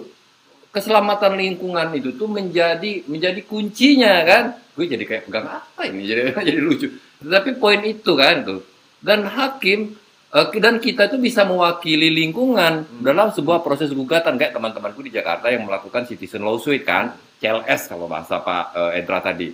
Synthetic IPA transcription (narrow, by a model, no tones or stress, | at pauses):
kəsəlamat̪anliŋkuŋanit̪ut̪ʊməɲd͡ʒadiməɲd͡ʒadikuɲt͡ʃiɲakanɡ̥uad͡ʒadikajaʔpəɡaŋapainid͡ʒaid͡ʒadilud͡ʒu | t̪ət̪apipoinit̪ukant̪u | danɦakɪm | ʔəkdankit̪ait̪ubisaməwakililiŋkuŋandalamsəbuahpɾosɛs̬ɡuɡat̪ankajaʔt̪əmant̪əmankudid͡ʒaka̰rt̪ajaŋməlakukansit̪isənloswɪt̪̚ka̰n | t͡ʃɛlɛska̰lo̰ba̰ɦa̰sa̰pa̰əḛdɾa̰t̪a̰dḭ